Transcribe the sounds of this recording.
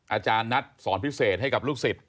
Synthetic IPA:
ʔaː˧t͡ɕaː˧nːa˦˥t̪̚sɔː˩˦npʰi˦˥seː˨˩t̪̚ɦa˥˩jka˨˩luː˥˩k̚si˨˩t̪̚

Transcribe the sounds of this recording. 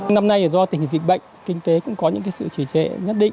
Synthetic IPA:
wna˧mna˧jʔəː˨˩zɔ˧t̪ï˨˩ŋ˨˩zḭ˧˨˩ɓə̰˧˨jŋ̟kï˧ŋ̟t̪e˨˦kʊ̰˧˥ŋ͡mkɔ˨˦ɲɨ̰˧˥ŋk̬aː˨˦jsɨ̰˧˨t͡ɕi˧˩t͡ɕɛ̰˧˨ɲə˦˥t̚ɗḭ̈˧˨ŋ̟

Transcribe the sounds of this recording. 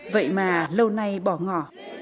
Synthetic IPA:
və̰˧˨jmaː˨˩lə˧wna˧jɓɔ˧˩ŋɔ˧˩

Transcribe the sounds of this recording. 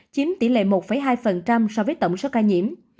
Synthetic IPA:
t͡ɕi˨˦nt̪ḭ˧˩lḛ˧˨mo˨˩t̚fə˧˩jɦaː˧jfə˨˩nt͡ɕa˧msɔ˧vəː˨˦jt̪ə̰˧˨wŋ͡mso˨˦wkaː˧jɲḭ˧˨əm

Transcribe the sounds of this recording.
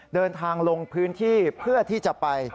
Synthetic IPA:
dɤː˧nt̪ʰaː˧ŋlo˧ŋpʰɯː˦˥nt̪ʰiː˥˩pʰɯ˥˩ɐt̪ʰiː˥˩t͡ɕa˨˩ʔpa˧j

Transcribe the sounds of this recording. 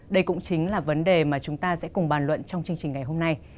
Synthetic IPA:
ɗə˧jkʊ̰˧˥ŋ͡mt͡ɕï˨˦ŋ̟laː˨˩və˨˦nɗe˨˩maː˨˩t͡ɕʊ˨˦ŋ͡mt̪aː˧sɛ̰˧˥kʊ˨˩ŋ͡mɓaː˨˩nlwə̰˧˨nt͡ɕɔ˧wŋ͡mt͡ɕɨ˧əŋt͡ɕï˨˩ŋ̟ŋa˨˩jɦo˧mna˧j

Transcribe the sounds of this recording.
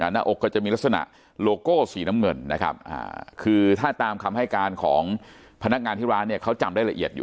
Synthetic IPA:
ʔa˨˩na˧˥˩ʔo˨˩kːɔː˥˩t͡ɕa˨˩ʔmiː˧lt̚sa˧na̰˨˩ʔ | loː˧koː˥˩siː˩˦na˦˥mŋɤ˧nːa̰˦˥kʰa̰˦˥p̚ʔa̰ː˨˧˩kʰɯː˧t̪ʰaː˥˩t̪aː˧mkʰa˧mha˥˩jkaː˧nkʰɔ̰ː˩˦ŋ | pʰa˧na˦˥k̚ŋaː˧nt̪i˥˩ɾaː˦˥ni˥˩ɐkʰa˦˥wt͡ɕa˧mdaː˥˩jla˧ʔi˨˩ət̪̚jṵː˨

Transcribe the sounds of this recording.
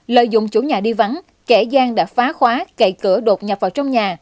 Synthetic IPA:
lə̰ː˧˨jzʊ̰˧˨ŋ͡mt͡ɕu˧˩ɲaː˨˩ɗi˧va˨˦n | kɛ˧˩zaː˧ŋɗa̰ː˧˥faː˨˦xwaː˨˦kə˧˩jkɨ˧˩əɗo˨˩t̚ɲa˨˩p̚vaː˨˩wt͡ɕɔ˧wŋ͡mɲaː˨˩

